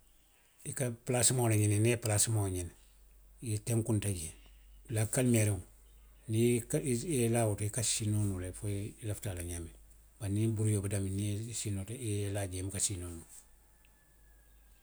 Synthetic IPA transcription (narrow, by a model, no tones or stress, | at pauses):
ikaplasimowlaɲinineplasimoɲin | iteŋkuntaɟelakalmeɾeŋ | nikelawutikasinonulefolaftalaɲamib̥anibuɾjobadaminisiːnotilaɟemikasinonu